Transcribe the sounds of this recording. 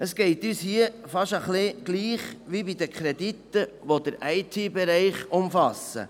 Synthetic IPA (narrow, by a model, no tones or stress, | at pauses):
əsɡ̥ɛɪt̪yːshiəfɑʃəχlɪɡ̥liːχʋibid̪əkʰχɾɛd̪it̪ːəʋod̥̪əɾɛɪt̪ʰibɛɾɛɪχʊmfɑsə̰